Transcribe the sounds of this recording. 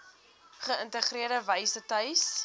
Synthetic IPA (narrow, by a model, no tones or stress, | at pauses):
χəəntəχriəɾdəvəjsətœɥs